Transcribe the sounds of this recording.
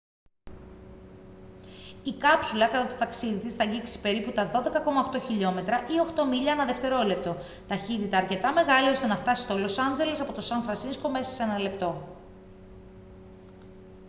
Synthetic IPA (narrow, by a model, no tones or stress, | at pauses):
ikɐpsulɐkɐt̪ɐt̪ot̪ɐksiðit̪isθɐɟiksi̥pe̞ɾiput̪ɐðo̞ðe̞kɐko̞mɐoxt̪o̞çiʎo̞me̞t̪ɾɐʔio̞xt̪o̞miʎɐnɐðe̞ft̪e̞ɾo̞le̞p̚t̪o̞ | t̪ɐçit̪it̪ɐːɾce̞t̪ɐme̞ɣɐlio̞st̪e̞nɐft̪ɐsi̥st̪o̞lo̞sɐnze̞lesɐpo̞t̪o̞sɐnfɾɐsinsko̞me̞sɐ̥se̞nɐle̞pt̪o̞